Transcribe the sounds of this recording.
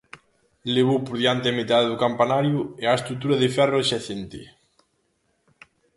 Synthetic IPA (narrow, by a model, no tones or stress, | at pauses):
leβopoɾðjant̪ɪamet̪aðeðʊkampanaɾjʊeaest̪ɾut̪uɾɐðɪfɛroʃaθent̪ɪ̰